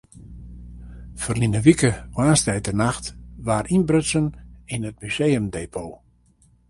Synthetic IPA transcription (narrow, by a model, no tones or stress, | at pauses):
fərlinəʋikəwaːnstɛjtərnaxtʋaːɾʔinbrøtsəninət̚myseːəmdeːpʰoː